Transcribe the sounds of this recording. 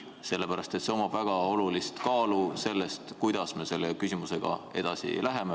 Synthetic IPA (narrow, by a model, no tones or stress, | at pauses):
se̞lːe̞pæɾɑst̪e̞t̪se̞o̞mɑb̥væɡ̥ɑo̞lulist̪kɑːluse̞lːe̞st̪kujd̪̥ɑsme̞se̞lːe̞kysʲimuse̞ɡ̥ɑ̰e̞̰d̪̥ɑsḭlæɦe̞me